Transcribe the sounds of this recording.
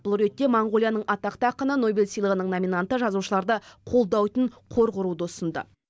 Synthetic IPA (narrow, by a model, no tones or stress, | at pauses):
bʊlˠɾe̞t̪ːe̞moɴʁo̞lʲˠijanəɴʔɑt̪ɑqt̪ɑqːɑnɑno̞bʲelʲsijlˠəʁənəɴnomʲinant̪əʒɑzuʃəlˠɑɾd̪əqʰo̞lˠd̪ɑwt̪əɴqʰo̞ɾqʊɾud̪əʊsənd̪ə̰